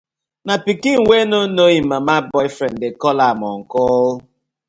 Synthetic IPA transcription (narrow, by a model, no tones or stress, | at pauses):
napikiŋ̩ŋʷenonoɣimamabɔjfɾen̩dekɔlamɔŋ̩kɔʊ